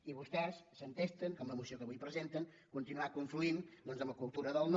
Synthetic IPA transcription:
iβust̪ɛsːənt̪est̪əŋkɔmləmusiokəβujpɾəzent̪əŋ | kunt̪inuakuɱfluind̪ɔnzəmbəkulˠt̪uɾəðəlˠn

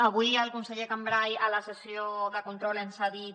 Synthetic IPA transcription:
əβuiəlkunsəʎekambɾajələsəsioðəkunt̪ɾɔlensaðit̪

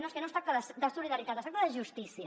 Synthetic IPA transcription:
noeskenost̪ɾakt̪əðəsd̪əsuliðəɾit̪at̪est̪akt̪əðəʒust̪isiə

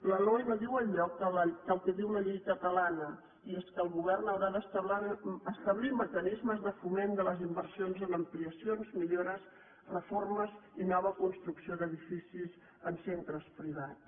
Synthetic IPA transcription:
ləlojβəðiwəʎʎɔk̚ələd̪əlˠkɛðiwləʎejkət̪əlanə | ieskəlˠɣuβɛrnəwɾaðəst̪əβlaɾəst̪əβliməkənizməzðəfumend̪ələzimbərsionzənəmpliəsionzmiʎoɾəz | rəforməzinɔβ̞əkunst̪ɾuksioðəðifisiz | ənsent̪ɾəspɾiβ̞at

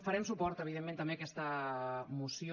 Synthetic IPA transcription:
fəɾɛmsupɔɾt̪əβ̞iðemːẽnt̪əmbekɛst̪əmusjo

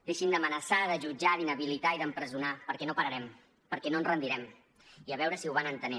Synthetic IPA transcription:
d̪eʃimd̪əmənəsaðəʒud͡ʒaðinəβilit̪aiðəmpɾəzunapəɾkɛnopəɾəɾɛm | pəɾkɛnoənzrənd̪iɾɛm | iəβ̞ɛwɾəsiwβanənt̪əni

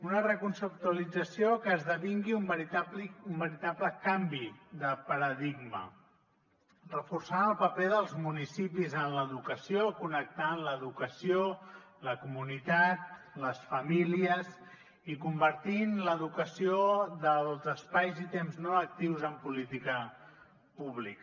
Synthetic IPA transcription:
unərəkunsəp̚t̪uəlid͡zəsiokəːzðəβiŋɡiumbəɾit̪apliumbəɾit̪apləkambiðəpəɾəðiɡmə̰ | rəfursanəlˠpəpeðəlˠzmunisipizənləðukəsijokunək̚t̪anləðukəsioləkumunit̪at̪̚ | ləsfəmiliəz | ikumbəɾt̪inləðukəsioðəlˠzəspajzit̪emznoək̚t̪iwzəmpulit̪ikə | puβ̞lik

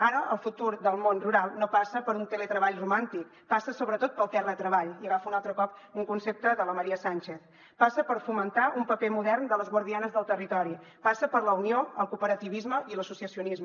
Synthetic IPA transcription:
aɾəʔəlˠfut̪uɾðəlˠmonruɾalˠnopasəpəɾunt̪elet̪ɾəβaʎrumant̪ik̚ | pasəsoβɾət̪ot̪̚pəlˠt̪ɛrlət̪ɾəβaʎiəɣafəunalˠt̪ɾəkɔpuŋkunsep̚t̪əðələməɾiəsanʲt͡ʃeθ | pasəpəɾfumənt̪aʔumpəpemuðɛrnd̪ələzɣwəɾðianəzðəlˠt̪ərit̪ɔɾi | pasəpəɾləunioəlˠkupəɾət̪iβizməiləsusiəsiunizm

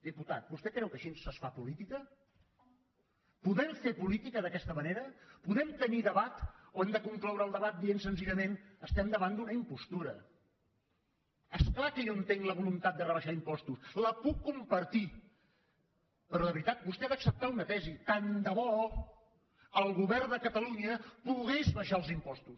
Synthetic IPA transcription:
d̪iput̪at̪̚bust̪ɛkɾɛwkəʃinsəsfapulit̪ikə | puðɛɱfepulit̪ikəðəkɛst̪əməneɾəpuðɛmt̪əniðəβat̪oɛmd̪əkuŋklawɾəlˠd̪əβat̪̚d̪iensənziʎəmenəst̪ɛmd̪əβand̪unəimpust̪uɾə̰ | esklakəjoənt̪eŋləβulunt̪at̪̚d̪ərəβəʃaimpɔst̪usləpukːumpəɾt̪i | pəɾɔðəβɾit̪at̪̚bust̪ɛðəksəp̚t̪aunət̪ɛzit̪and̪əβɔ | əlˠɣuβɛrd̪əkət̪əluɲəpuɣezβəʃaəlˠzimpɔst̪us

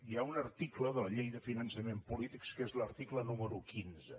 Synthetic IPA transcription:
iaunəɾt̪ikləðələʎejðəfinənsəmempulit̪ikskezləɾt̪iklənuməɾukinzə

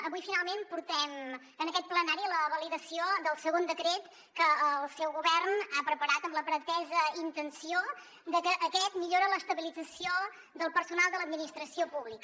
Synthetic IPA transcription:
əβujfinalˠmempuɾt̪ɛm | ənəkɛt̪̚plənaɾiləβəliðəsiod̪əlˠsəɣond̪əkɾet̪ | kəːlˠsɛwɣuβɛrnapɾəpəɾat̪əmləpɾət̪ɛzəint̪ənsio | d̪əkəʔːkɛt̪miʎoɾələst̪əβilid͡zəsio | d̪əlˠpəɾsunalˠd̪ələd̪minist̪ɾəsiopuβlikə

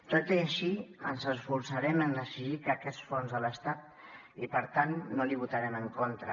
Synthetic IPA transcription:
t̪ot̪iəʃiə̰nzəsfuɾsəɾɛmənd̪əsiʒikəkɛsfonzðələst̪at̪̚ | ipəɾt̪anːoliβut̪əɾɛməŋkont̪ɾə̰

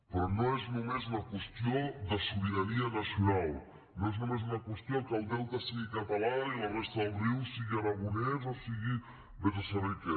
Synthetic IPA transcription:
pɾɔnoeznomeznakwest̪iod̪əsuβiɾanianasjunalˠ | noeznomeznakwəst̪jokəlˠd̪elˠt̪asiɣikat̪alailarest̪aðəlˠriwsiɣiaɾaɣunɛzasiɣi | βezasorike

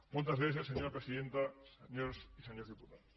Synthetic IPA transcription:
molt̪ɐzβeθ̬jasːeɲoɾapɾesiðent̪aseɲoɾsiseɲoziput̪aðs

